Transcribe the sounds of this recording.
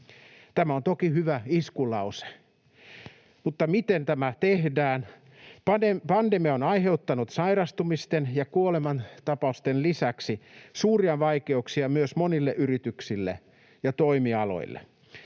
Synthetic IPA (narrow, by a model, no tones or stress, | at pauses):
t̪æmæont̪okihyʋæiskulɑuse̥ | mut̪ːɑmit̪ent̪æmæt̪ehdæːn | pɑepɑndemiɑonɑiheut̪ːɑnut̪sɑiɾɑst̪umist̪enjɑkuolemɑnt̪ɑpɑust̪enlisæksisuːriɑʋɑikeuksiɑmyøsmonilːeʔyrit̪yksilːḛ | jɑt̪oimiɑlo̰ilːˑḛ